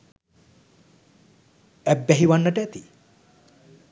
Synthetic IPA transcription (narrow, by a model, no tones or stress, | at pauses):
æbːɛɦiʋanːəʈəæt̪i